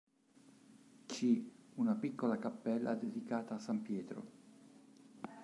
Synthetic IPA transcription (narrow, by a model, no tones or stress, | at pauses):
t͡ʃiunapikːolakapːɛlːa̰d̪ed̪ikaːt̪aːsːampjɛːt̪ɾo̰